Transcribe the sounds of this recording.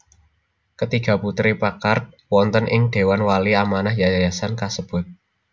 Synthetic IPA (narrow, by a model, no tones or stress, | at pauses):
kət̪iɡ̥ä̤put̪ɾipakart̪̚wɔnt̪ənʔɪŋɖ̪̥e̤wanwaliamanahjajajasankasəb̥ʊt̪̚